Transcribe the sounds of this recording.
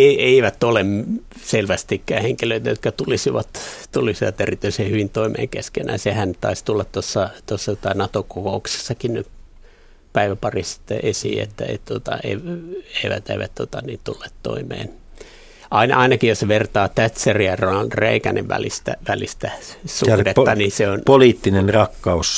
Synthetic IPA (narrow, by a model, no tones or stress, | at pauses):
eieiʋæt̪olem | selʋæst̪ikːæːheŋkiløit̪æjot̪kɑt̪ulisiʋɑt̪t̪ulisiʋɑt̪erit̪ːyisehyʋint̪oimḛːŋkeskenæ̰jsehænt̪ɑ̰ist̪ulːɑt̪t̪osːɑt̪osːɑt̪ot̪ɑinɑt̪okokoukse̥sːɑkinnyp | pæiʋæpɑrissi̥t̪ːḛʔesḭːḛt̪ːæ̰ḛt̪uot̪ɑ̰ḛˑieiʋæ̰t̪ḛiʋæt̪t̪ot̪ɑniːnt̪ulːeːt̪t̪o̰imḛːn | ʔɑinɑ̰ɑinɑkijjosʋert̪ɑːt̪æt̪seriɑronɑlreikænḛʋʋæ̰lḭst̪æ̰ʋælist̪æsudet̪ːɑniseonpoliːt̪ːinenrɑkːɑus